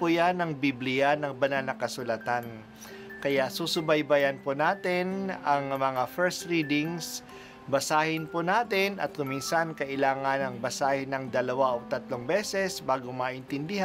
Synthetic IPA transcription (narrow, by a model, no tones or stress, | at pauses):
pʊjanɐŋbiblɪjanɐŋbɐnalnɐkɐsʊlat̪an | kɐjaʔsusʊbɐjbɐjɐnponaːt̪ɪnɐŋmɐŋafɛɹst̪ɹid̪ɪŋs | bɐsaːhɪnponaːt̪ɪnɐ̰t̪̚kʊminsankɐʔɪlaːŋɐnɐŋbɐsaːhɪnɐŋd̪ɐlɐwaʔoɡ̚t̪ɐt̪loŋbɛːsɛsbaːɡomaʔɪnt̪ɪnd̪ɪha